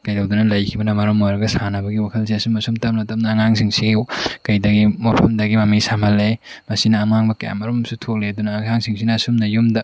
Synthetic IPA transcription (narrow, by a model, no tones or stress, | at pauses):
kɐjdɐwdunɐlɐjkʰibɐnɐmɐɾomojɾɐɡɐsanɐbɐɡiwakʰɐlsiɐsumɐsumtɐmlɐtɐm̚nɐːŋaŋs̬iŋsiɡiwkɐjdɐɡimwapʰɐmdɐɡimamisamɐle | mɐsinɐːmaŋbɐkɐja̰mɐɾomsutʰok̚leɐdunɐːaŋsiŋsinɐːsumnɐjumdɐ